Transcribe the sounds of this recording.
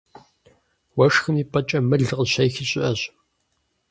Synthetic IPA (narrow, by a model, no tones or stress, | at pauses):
wɐʂxɨniːpʼɐt͡ʃʼɐmɨɮqʼəɕɐjxɪɕʼɪʔɐɕ